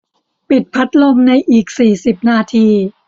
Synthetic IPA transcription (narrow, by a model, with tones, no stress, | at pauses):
pi˨˩t̪̚pʰa˦˥t̪̚lo˧mna˧jʔiː˨˩k̚siː˨˩si˨˩p̚naː˧t̪ʰiː˧